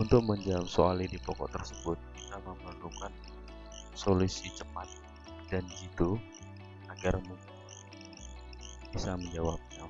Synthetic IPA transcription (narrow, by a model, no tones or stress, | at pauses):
unt̪ʊk̚məɲd͡ʒamsoalidipɔkɔ̰ʔt̪ərsəbʊt̪̚məkikaməmbant̪ukan | solusit͡ʃəmat̪̚ | dand͡ʒit̪u | aɡarm | bisaməɲd͡ʒawap̚ɲa